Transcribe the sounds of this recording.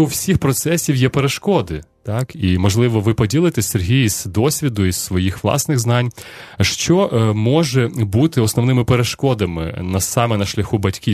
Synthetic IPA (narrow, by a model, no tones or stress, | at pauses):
uwsʲixpɾɔt̪sɛsʲiwjɛpeɾeʃkɔd̪ɪt̪ɑkimɔʒlˠɪʋɔʋɪpɔdʲilˠɪt̪ɛsʲserɦʲijizd̪ɔsʲʋʲid̪ʊissʋɔjixʋlˠɑ̰snɪɣznɑnʲʃt͡ʃɔʔmɔʒɛbut̪ɪɔsnɔʋnɪmɪpeɾeʃkɔd̪ɐmɪ̰nɐsɑmɛnɐʃlʲɐxubɐtʲkʲi